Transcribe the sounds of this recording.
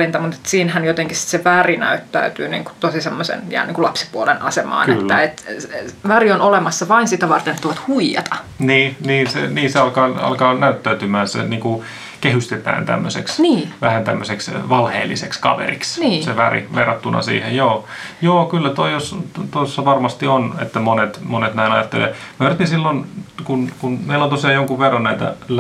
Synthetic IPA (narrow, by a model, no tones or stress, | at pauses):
lint̪ɑmut̪e̥t̪siːnhænjot̪eŋkissi̥t̪seʋærinæ̰yt̪ːæ̰yt̪yːnḭːŋku̥t̪osisemːosḛnjæ̰ːniːŋkulɑpsi̥puolenʔɑ̰semɑ̰ːnḛt̪ːæet̪ʋærionolemɑsːɑʋɑinsit̪æʋɑrt̪enet̪ːoʋɑt̪huijɑ̰t̪ɑniːniːnsḛniːseɑlkɑːɑ̰lkɑːnæyt̪ːæyt̪ymæːsḛniːŋku | kehyst̪et̪æ̰ːnt̪æ̰mːøsḛksniːʋæhænt̪æmːøseksʋɑlhḛːlːisekskɑ̰ʋḛrḭksniːseʋærḭʋerːɑt̪ːunʔɑ̰sḭːhejjoː | joːkylːæt̪oijostt̪oisːɑʋɑrmɑst̪ionḛt̪ːæmonet̪monet̪næinɑ̰jɑt̪ːḛlḛːmørt̪nisilːonkunkunmeilːont̪osiɑːjoŋkuʋʋerːɑnnæit̪æ̰